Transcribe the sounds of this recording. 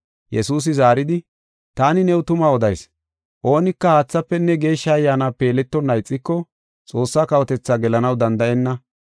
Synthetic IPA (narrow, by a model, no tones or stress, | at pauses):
jɛsuːs̬ɪzaːɾɪd̪ɪ | t̪aːnɪnɛwʊt̪ʊmaɔd̪ɐjs | ʔo̞ːnɪkːɐhaːt͡sːɐpːɛnːɛɡe̞ːʃːɐɐjːaːnape̞ːlɛt̪ːɔnːɐjt͡sʼːɪkːɔ | t͡sʼo̞ːsːaːkɐwɔt̪ɛt͡sːaɡɛlɐnɐwd̪ɐnd̪ɐʔɛnːɐ